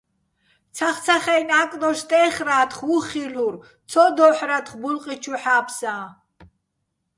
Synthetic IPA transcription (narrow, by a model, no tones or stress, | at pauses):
t͡sʰaχt͡sʰaχɛjnaːkʼnɔst̪ʼɛːχɾaːt̪χuχiluɾ | t͡sʰɔd̪ɔħɾat̪χbulqʼit͡ʃʰuħaːpʰsa